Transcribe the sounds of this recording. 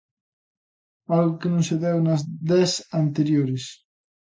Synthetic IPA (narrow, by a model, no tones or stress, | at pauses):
alɣokenõŋseðɛwnɐzd̪ɛsant̪eɾjoɾes